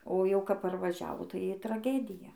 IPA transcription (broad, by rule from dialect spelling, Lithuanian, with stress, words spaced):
oː ˈjɛʊ kɐp pɐrʋɐˈʒʲæːʋoː tɐɪ ɪ trɐˈɡʲæːdʲɪjɛ